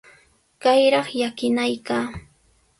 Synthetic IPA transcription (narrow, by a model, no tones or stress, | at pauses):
kajɾɑχjakɪnajkaː